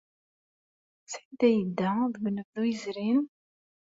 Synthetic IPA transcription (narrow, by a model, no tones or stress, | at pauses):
sʕd̪æjəd̪ːæðwənːəvðujəzɾin